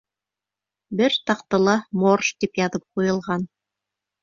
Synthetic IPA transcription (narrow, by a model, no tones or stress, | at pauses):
bɘɾt̪ɑqt̪ɤ̆lˠɑmorʃt̪ipjɑðɤp̚qujɤ̆lˠʁɑn